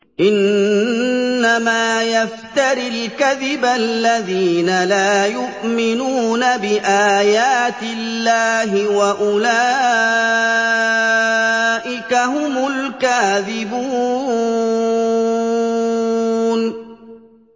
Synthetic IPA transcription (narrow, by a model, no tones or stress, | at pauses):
ʔɪn | amaːjaft̪aɾɪlkaðɪbalːaðiːnalaːjʊʔmɪnuːnabɪʔaːjaːt̪ɪlːaːɦɪwaʔʊlaː | ʔɪkaɦʊmʊlkaːðɪbuː | n